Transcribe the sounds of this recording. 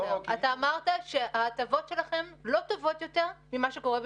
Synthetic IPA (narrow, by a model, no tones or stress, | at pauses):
at̪aːmaʁtaʃe̞aːtavo̞tʃe̞laχe̞mlo̞to̞vo̞tjo̞te̞ʁmimaʃeko̞ʁeb